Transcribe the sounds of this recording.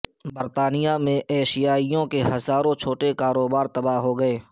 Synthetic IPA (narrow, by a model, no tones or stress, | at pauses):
bəɾt̪aːnijamẽʔɛːʃɪjaːijõkeɦɐzaːɾõt͡ʃʰoːʈekaːɾoːbaːɾt̪ɐbaːɦoɡɐeː